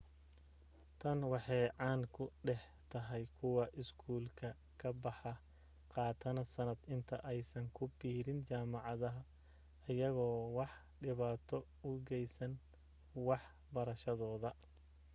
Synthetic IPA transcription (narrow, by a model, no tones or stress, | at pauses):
t̪ʰɐnwɑħɑjʕɑːnkʰʊɖɛħ | t̪ʰɐɦɛjkʰʊwɐʔɪskʰuːlkʰɐ | kʰɐbɑħɑ | qɑːt̪ʰɐnɐsɐnɐd̪ɪnt̪ʰɐʔɛjsɐŋkʰʊbiːɾɪnt͡ʃaːmɑʕɑðɐɦɐː | jɐɣɔːwɑħ | ɖɪβaːt̪ʰɔ | ʊɡɛjsɐn | wɑħ | bɐɾɐʃɐðɔːðɐ